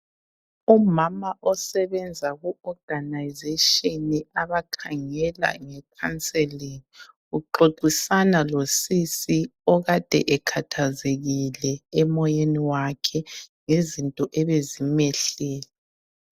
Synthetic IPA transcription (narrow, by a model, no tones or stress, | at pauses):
umamaʔɔsɛβɛnd͡zʱaɣuɔɡ̥ʱanajzeʃiniaβakʰaŋɛla̰ŋɛkʰant͡sʼɛlini | uǃoǃisanalosisiɔɣad̥ʱɛ̰ʔɛkʰatʰazeɣilɛɛmɔjeniwakʰɛŋezintʼɔʔɛβezimɛɬɛːlɛ